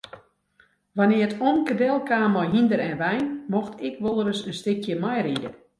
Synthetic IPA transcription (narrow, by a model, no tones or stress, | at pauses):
ʋanɪəətʰonkədɛlˠkaːmɔjɦindəɾɛnʋɛjnmoxtʰɪkʋolˠəɾəsənstɪkʰjəmajridə̰